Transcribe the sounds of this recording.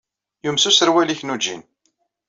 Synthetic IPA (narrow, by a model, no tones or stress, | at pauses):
jumsusəɾwæliçnud͡ʒḭn